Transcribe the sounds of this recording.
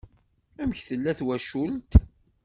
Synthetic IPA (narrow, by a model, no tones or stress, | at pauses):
æmçθəlːæθwæʃult̪